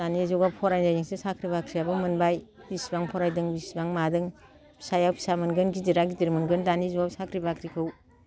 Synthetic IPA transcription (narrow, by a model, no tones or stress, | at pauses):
danizɔɡap̚pʰɔɾajzajiŋsisakʰɾibakʰɾijabɯmɯnbajbisbaŋpʰɔɾajdɯŋbisbaŋmadɯŋ | pʰi̥sajawpʰi̥samɯnɡɯnɡidiɾaɡidiɾmɯnɡɯndanizɔwɡabsakʰɾibakʰɾikʰɯw